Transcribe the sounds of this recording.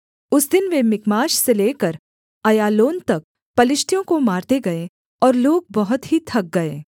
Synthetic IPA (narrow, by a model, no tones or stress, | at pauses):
ʊsd̪ɪnʋemɪkmaːʃseleːkəɾ | ɐjaːloːnt̪ɐk̚ | pɐlɪʃʈ̪jõkomaːɾt̪eɡɐe | ɔːɾloːɡ̚bɐɦʊt̪ɦit̪ʰɐk̚ɡɐeː